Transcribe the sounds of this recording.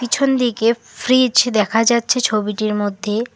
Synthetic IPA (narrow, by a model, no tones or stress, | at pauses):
kit͡ɕʰond̪ike | fɾid͡ʑd̪ɛkʰad͡ʑatːɕʰet͡ɕʰobiʈiɾmod̪ʱːe